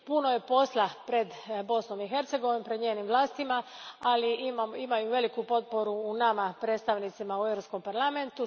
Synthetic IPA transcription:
puno̞je̞po̞slapɾe̞d̪bo̞snomixe̞ɾt̪se̞ɡo̞ʋinompɾe̞d̪ɲeːnimʋlˠaːst̪imaaliimaimajuʋe̞likupo̞t̪̚po̞ɾuːnamapɾe̞ːt̪st̪aʋnit̪simauevɾo̞psko̞mpaɾlˠament̪u

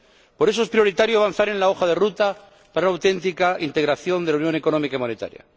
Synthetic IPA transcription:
po̞ɾes̬oe̞spɾjo̞ɾit̪aɾjoaβanθaɾe̞nlao̞xaðe̞rut̪a | paɾaunawt̪e̞nt̪ikaint̪e̞ɣɾaθjo̞nd̪elaunjo̞neko̞no̞mikaimõ̞net̪a̰ɾja̰

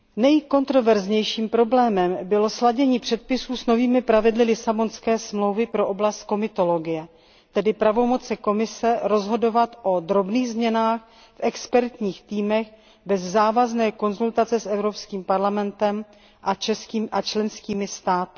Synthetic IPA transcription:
nɛjko̞nt̪ɾo̞vɛɾzɲɛjʃiːmpɾo̞blɛːmɛmbɪlo̞slaɟɛɲiːpr̝̥ɛt̪̚pɪsuːsno̞viːmɪpɾavɪdlɪlɪsabo̞nskɛːsmlo̞wvɪpɾo̞ʔoblast̪̚ko̞mɪt̪o̞lo̞ɡɪjɛ | t̪ɛdɪpɾavo̞mo̞t͡sɛko̞mɪsɛɾo̞zɦo̞do̞vat̪ʔo̞d̪ɾobniːɣzmɲɛnaːx | fʔɛkspɛɾt̪ɲiːxt̪iːmɛx | bɛzːaːvaznɛːko̞nzult̪at͡sɛsʔɛvɾopskiːmpaɾlamɛnt̪ɛm | ʔat͡ʃɛskiːʔat͡ʃlɛnskiːmɪst̪aːt̪ɪ̥

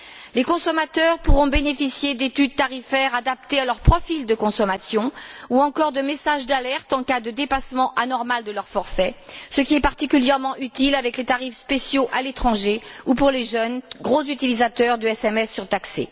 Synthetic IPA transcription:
lekɔ̃sɔmat̪œʁpuʁɔ̃benefisjed̪et̪yd̪̚t̪aʁifɛʁad̪apt̪ealœʁpχɔfild̪əkɔ̃sɔmasjɔ̃uɑ̃kɔʁd̪əmesaʒd̪alɛʁt̪ɑ̃kad̪əd̪epasmɑ̃ʔanɔʁmald̪əlœʁfɔʁfɛsəkʲiɛpaʁt̪ikʲyljɛʁmɑ̃ʔyt̪ilavɛklet̪aʁifspesjoʔalet̪χɑ̃ʒeupuʁleʒœnɡʁozyt̪ilizat̪œʁd̪əɛsɛmɛsːyʁt̪aksḛ

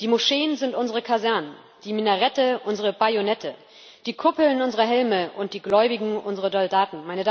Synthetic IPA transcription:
d̥iːmoʃeːənzɪntʔʊnzəʁ̞əkʰazɛɐnən | d̥iːminəʁɛtəʔʊnzəʁ̞əbajonɛtʰə | d̥iːkʰʊpl̩nʊnzəʁɐɦɛlməʔʊnt̚d̥iːɡlɔʏbɪɡŋ̩ʊnzəʁɐzɔldaːtn̩maɪnəda

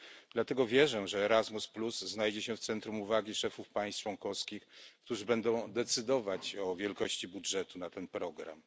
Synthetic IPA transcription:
d̪lat̪ɛɡɔvʲjɛʐɛʐɛːɾazmuspluzːnajd͡ʑɛɕɛft̪sɛnt̪ɾumuvaɡʲiʂɛfufpaj̃st̪t͡ʂwɔnkɔfskʲixkt̪uʐɘbɛnd̪ɔ̃w̃d̪ɛt̪sɘd̪ɔvat͡ɕɔvʲjɛlkɔɕt͡ɕibudʐɛt̪unat̪ɛnpɾɔɡɾa̰m

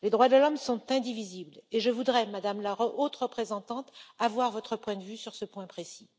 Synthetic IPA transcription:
led̪ʁwad̪əlɔmsɔ̃t̪ɛ̃d̪ivizibleʒəvud̪ʁɛmad̪amlaʁəʔot̪ʁəpχezɑ̃t̪ɑ̃t̪avwaʁvɔt̪χəpwɛ̃d̪əvysyʁsəpwɛ̃pχesi

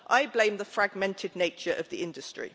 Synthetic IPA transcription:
ʔaɪblẽɪ̃mðəfɹaɡmɛ̃ntʰɪdⁿneɪt͡ʃəɹʔəvðiɪ̃ndəstɹ̥ḭ

